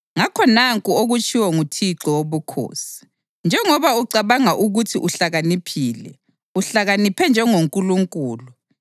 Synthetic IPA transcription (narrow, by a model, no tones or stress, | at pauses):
ŋakʰɔnaŋkʼuoɣut͡ʃʼʰiwɛŋutʰiǁɔwoβukʰo̰ːsi̥ | nd͡ʒʱɛŋɔβauǀaβaŋaʔuɣutʰiʔuɬaɣanipʰiːlɛ̰ | uɬaɣanipʰɛnd͡ʒʱɛŋoŋkʼuluŋkʼuːlu